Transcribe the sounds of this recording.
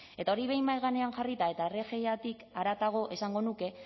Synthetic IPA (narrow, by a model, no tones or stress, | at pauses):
e̞t̪ao̞ɾiβ̞e̞jmajɣane̞aŋʝarit̪ae̞t̪are̞ʝe̞jat̪ikaɾat̪aɣ̞o̞ʔe̞saŋɡo̞nuke̞